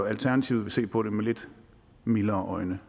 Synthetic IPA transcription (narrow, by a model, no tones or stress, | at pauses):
ɒælt͡sʰæɐnæt͡sʰiːʊð̩ˠʋe̝se̝̰ːpʰɒ̽ɾ̥emeled̥ | milɐːʔɒ̽ɪnə